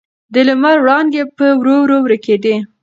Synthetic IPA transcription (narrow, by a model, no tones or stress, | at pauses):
d̪əlʊmaɾwɽɑnd̪epəwɾowɾowɾəked̪i